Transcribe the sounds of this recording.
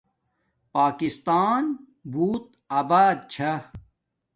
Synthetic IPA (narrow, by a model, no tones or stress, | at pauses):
paːkist̪aːn | buːt̪̚ | aːbaːd̪̚t͡ɕʰɐ